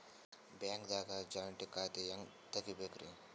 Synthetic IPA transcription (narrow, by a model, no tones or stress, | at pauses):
baːŋkd̪aːkad͡ʒaːʋɐɳʈikaːt̪ijɐŋ | t̪ɐkibeːkɾi